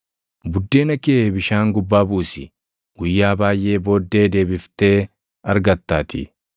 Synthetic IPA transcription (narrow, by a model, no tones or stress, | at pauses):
bʊd̪ːe̞ːnɐkebɪʃaːŋɡʊbːaːbuːsɪ | ɡ̥ʊjːaːbaːjʔe̞ːbo̞ːd̪ːe̞ːd̪e̞ːbɪft̪e̞ː | ɐɾɡɐt̪ːaːt̪ɪ̰